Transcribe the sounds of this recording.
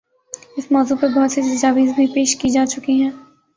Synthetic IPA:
ɪsmɔːzupɐɾbɔɦʊt̪sit̪ɐd͡ʒaːʋiːzbʱipeːʃkid͡ʒaːt͡ʃʊkiɦɛ̃ː

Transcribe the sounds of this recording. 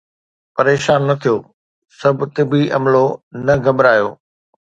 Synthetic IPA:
pɐɾeːʃaːnːɐt̪ʰijoː | sɐbʱʊt̪ɪbiʔɐ̰mlonɐɡɐmɾaːjoː

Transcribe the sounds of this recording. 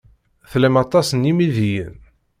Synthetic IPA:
θlæmɑt̪ˤɑsənimiðijə̰n

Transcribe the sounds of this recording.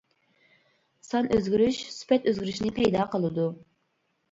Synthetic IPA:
sɑnʔøzɡʲyɾyʃsy̥pɛt̪øzɡiɾyʃnɪpʰɛjd̪ɑːqʰəlˠɨd̪u

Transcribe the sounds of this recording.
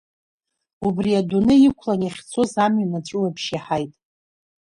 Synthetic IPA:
ubriadunɨikʷʰlanaχʲt͡sʰozamɥanat͡ʃʷʼʊwapʰʃiħajtʼ

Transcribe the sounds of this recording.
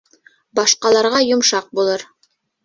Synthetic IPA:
bɑʃqɑlˠɑɾʁɑjŏmʃɑq̚bulˠɤɾ

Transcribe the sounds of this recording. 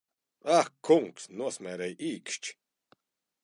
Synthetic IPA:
akʰːuŋksnuɐsmɛɾɛjʔiːkʃt͡ʃ

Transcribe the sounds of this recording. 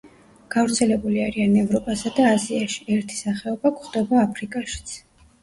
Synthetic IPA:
ɡ̥avɾt̪sʰɛlɛbuliaɾianɛvɾɔpʼasad̪aːziaʃi̥ɛɾt̪ʰi̥saχɛɔbakχd̪ɛbaːpʰɾikʼaʃi̥t̪sʰ

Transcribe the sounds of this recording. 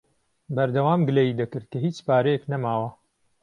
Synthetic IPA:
bɐɾd̪ɐwaːmɡɨlejiːd̪ɐkɨɾt̪̚kɐɦiːt͡ʃpaːɾɐjeknɐmaːwɐ

